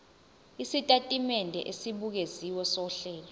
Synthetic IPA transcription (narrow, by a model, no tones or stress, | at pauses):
isitʼatʼimɛndʱɛ̰ʔesiɓuk̬eziwɔsɔɬɛːlɔ